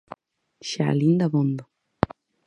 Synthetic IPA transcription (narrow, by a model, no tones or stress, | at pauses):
ʃa̰lind̪aβond̪o